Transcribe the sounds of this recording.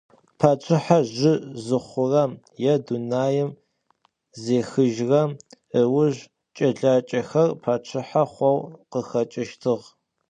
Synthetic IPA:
pʰaːt͡ʃʷʰɪħaʒɪzɨχʷʊrɐm | jɛdunaːjɪm | zeːxɨʒrɐm | əwʊʒ | t͡ʃʼɐɮaːt͡ʃʼɐxɐrpʰaːt͡ʃʷʰɪħaχʷɔwqəxɐt͡ʃʼɪʃtʰɨʁ

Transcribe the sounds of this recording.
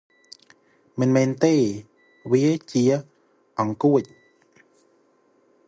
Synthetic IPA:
mənmeːnt̪e | wiət͡ɕiə | ʔɑŋkuəc̚

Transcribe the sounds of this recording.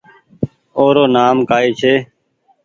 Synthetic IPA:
oːɾoːnaːmkaːiːt͡ʃʰeː

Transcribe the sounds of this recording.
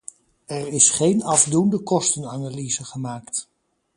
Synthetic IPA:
ɛɹɪsχejnɑvdundəkɔstənaːnalizəχəmaːkt

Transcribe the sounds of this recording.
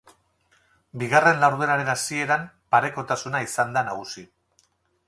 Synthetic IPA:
biɣare̞nlawɾðuenaɾe̞nasie̞ɾam | paɾe̞ko̞t̪asunaisand̪anaɣusi

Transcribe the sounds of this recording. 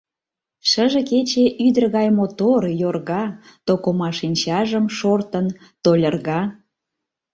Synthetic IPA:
ʃəʒeket͡ɕeʔyd̪ərɣɑjmot̪orjorɣɑ | t̪okomɑʃinʲt͡ɕɑʒəmʃort̪ən | t̪olʲərɣɑ

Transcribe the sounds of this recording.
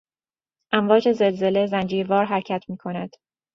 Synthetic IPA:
ʔæɱvɒːd͡ʒe̞ze̞lze̞lezænd͡ʒiːɾvɒːɾɦæɾcʰæt̪ʰmiːkʰo̞næd̪̥

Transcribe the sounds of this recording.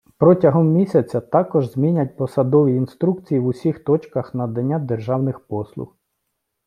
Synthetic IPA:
pɾɔtʲɐɦɔmːʲisʲɐt͡sʲɐt̪ɑkɔʒzmʲinʲɐt̚ʲpɔsɐd̪ɔʋʲiːnst̪ɾukt͡sʲijiʋʊsʲixt̪ɔt͡ʃkɐxnɐd̪ɐnʲːad̪erʒɑwnɪxpɔslˠʊ̰x

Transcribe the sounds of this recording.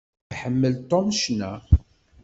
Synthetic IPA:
ħəmːəlt̪ˤomʃnæ

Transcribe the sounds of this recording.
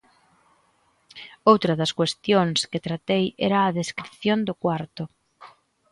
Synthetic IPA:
owt̪ɾɐðɐskwest̪joŋskɪt̪ɾat̪ejɛ̰ɾɐːðeskɾiθjond̪ʊkwaɾt̪ʊ

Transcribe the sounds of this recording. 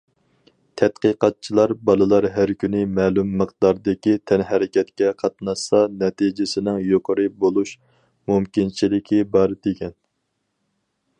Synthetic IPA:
t̪ʰɛt̪̚qəqɑt̪̚t͡ʃʰilˠɑɾbɑlˠɨlˠɑɾɦæɾkʲʰynɪmɛːlumːəqd̪ɑɾd̪ɪkʲit̪ʰɛnɦɛɾɪkʲʰɛt̪kʲɛqʰɑt̪̚nɑʃsɑnɛt̪ʰid͡ʒɪsɪnɪŋjoqʰəɾɨbolˠuʃ | mumkʲint͡ʃʰilɪkʲʰibɑɾd̪ekʲɛn

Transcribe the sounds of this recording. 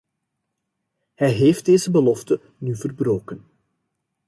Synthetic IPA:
hɛjɦeːft̚deːzəbəlɔftə | nyːvərbɾoːkən

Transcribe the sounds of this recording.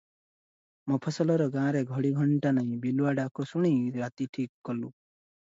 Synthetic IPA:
mɔpʰɔsɔlɔɾɔɡãɾeɡʱɔɽiɡʱɔɳʈanaĩbiluaɖakɔsuɽ̃iɾat̪iʈʰikːɔlu

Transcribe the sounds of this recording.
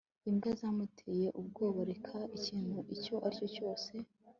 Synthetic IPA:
imɡazamutʰeje̞ʔub̚ɡo̞ːβoɾekʰaʔiciːn̥huʔico̞ʔaɾcoco̞ːse̞

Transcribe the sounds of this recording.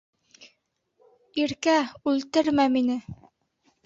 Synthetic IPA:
iɾkæʉlt̪ɘɾmæminɘ

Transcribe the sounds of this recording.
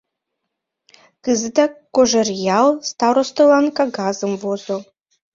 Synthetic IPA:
kɨzɨd̪akoʒɛrjalˠst̪aɾost̪olankaɡazɨmvozo

